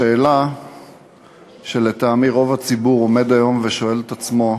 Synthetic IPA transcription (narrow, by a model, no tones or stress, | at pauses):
eːla | ʃe̞le̞t̪aːmiʁo̞vat͡sibuʁo̞me̞d̪ajo̞mveʃo̞e̞let̪at͡smo̞